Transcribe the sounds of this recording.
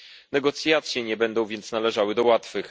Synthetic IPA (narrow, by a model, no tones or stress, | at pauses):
nɛɡɔt̪sʲjat̪sʲjɛɲɛbɛnd̪ɔ̃w̃vʲjɛnt̪snalɛʐawɘd̪ɔwat̪fɘx